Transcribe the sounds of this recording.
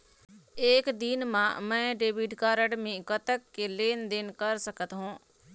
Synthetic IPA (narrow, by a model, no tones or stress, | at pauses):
eːkd̪ɪnmãːmɛ̃ːɖeːʋɪɖkaːɾəɽmẽːkət̪əkːeleːnd̪ɪnkəɾsəkət̪ɦõː